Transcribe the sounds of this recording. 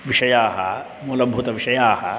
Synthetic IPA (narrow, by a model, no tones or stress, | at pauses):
ʋɪʃɐjaːɦa | mʊlɐbʱːʊt̪ɐʋɪʃɐjaːɦa